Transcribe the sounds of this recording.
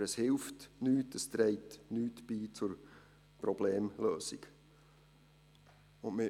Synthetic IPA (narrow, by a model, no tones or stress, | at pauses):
əshɪlftnyːtəst̪ɾɛɪtnyːtb̥iːt͡sʊɾ | prɔbleːmløːsɪɡ̥ | ʊnmɪ